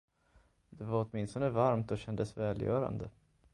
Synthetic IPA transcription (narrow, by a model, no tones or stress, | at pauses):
d̪ɛvaɾɔt̪mɪnst̪ɔnəvaɾmt̪ɔɕɛnd̪əsvɛːljœ̰ːɾa̰nd̪ə